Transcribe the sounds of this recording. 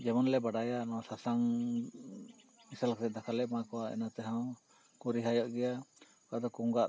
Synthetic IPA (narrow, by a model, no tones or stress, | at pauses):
d͡ʒɛmɔnlɛbaɽajaʔnɔsasaŋ | misalksɛt̪̚d̪akʰalɛʔmakɔwaɛ̰nat̪ɛɦãw | kuɾiɦajɔʔɡɛja | kaʔd̪ɔkuŋɡaʔ